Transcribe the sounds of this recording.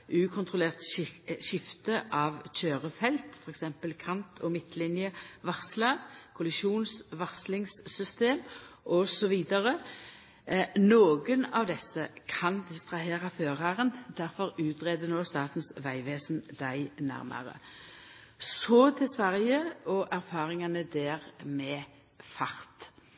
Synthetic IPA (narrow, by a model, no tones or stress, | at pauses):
ʔʉːkʰʊnt̪ʰʁʊleːʁt̪ʃɪft̪əʔɑʋc͡çøːʁəfɛlt̪fɔʁɛksɛmpəlkʰɑnt̪ʰɔmɪt̪ːlɪnjəʋɑʁslɑʁkʰʊlɪʃuːnsʋɑʁslɪŋsːʏst̪eːmʔɔsɔʋiːd̪əʁə | noːɡənɑʋd̪ɛsːəkʰɑnd̪ɪst̪ʁɑɦeːʁɑføːʁɑʁənd̪æɾfɔɾʉːt̪ʁeːd̪ənoːst̪ɑːt̪n̩sʋæɪʋeːsnd̪æɪnæ̰ʁmʔə̰ʁə̰ | sɔt̪ʰɪlsʋæʁjəɔʔæʁfɑːʁɪŋɑnəd̪eːʁmɛ | fɑʁt̪